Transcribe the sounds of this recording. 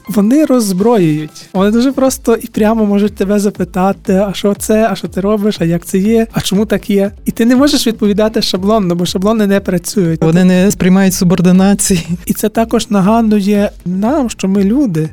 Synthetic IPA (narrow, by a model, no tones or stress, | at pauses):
ʋɔnɪɾɔzbɾɔjʊjʊtʲʋɔnɪd̪uʒɛpɾɔst̪ɔʔipɾʲamɔmɔʒʊt̚ʲt̪ebɛzɐpɪt̪ɑt̪ɪɐʃt͡ʃɔt̪sɛɐʃt͡ʃɔt̪ɪɾɔbɪʃɐjak̚t̪sɛjɛɐt͡ʃɔmut̪ɑkjɛit̪ɪnɛmɔʒeʃʋʲid̪̚pɔʋʲid̪ɑt̪ɪʃɐblˠɔnːɔbɔʃɐblˠɔnɪnɛpɾɐt͡sʲujʊt̚ʲʋɔnɪnɛspɾʲɪjmɑjʊtʲsʊbɔrd̪ɪnɑt͡sʲijiit̪sɛt̪ɑkɔʒnɐɦɑnd̪ʊjɛnɑmʃt͡ʃɔmɪlʲud̪ɪ